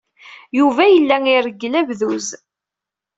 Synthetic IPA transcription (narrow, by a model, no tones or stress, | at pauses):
juvæjəlːæŋirəɡːlævðuz